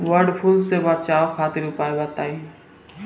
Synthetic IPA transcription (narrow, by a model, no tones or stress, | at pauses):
ʋəɾɖpʰulseːʋaːt͡ʃaːʋokʰaːt̪ɪɾʊpaːeʋaːt̪aːiː